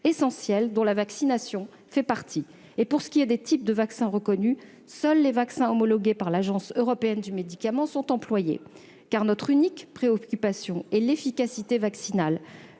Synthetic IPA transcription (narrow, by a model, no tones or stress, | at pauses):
esɑ̃sjɛld̪ɔ̃lavaksinasjɔ̃ | fɛpaʁt̪ʰi | epuʁsə̥kʲiɛd̪et̪ʰip̚d̪əvaksɛ̃ʁəkɔny | sœlːevaksɛ̃ɔmɔlɔɡʲepaʁlaʒɑ̃søʁɔpeɛnd̪ymed̪ikamɑ̃sɔ̃t̪ɑ̃plwajḛ | kaʁnɔt̪χynikpχeɔkʲypasjɔ̃ɛlefikʲasit̪evaksinal